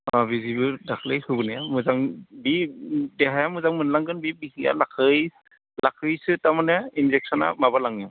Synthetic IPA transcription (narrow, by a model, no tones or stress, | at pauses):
ɔbizibɯdakʰlejhubunɛamuzaŋbidɛɦajamʊzaŋmɯnlaŋɡɯnbibihija̰lakʰɯj | lakʰɯjsɯtaɹmanɛinzɛk̚sɔna̰mabalaŋɔ